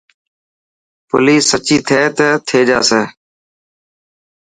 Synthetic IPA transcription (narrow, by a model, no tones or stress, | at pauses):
pʊ̰liːsːət͡ʃiːt̪ʰeːt̪ət̪ʰeːd͡ʒa̰ːseː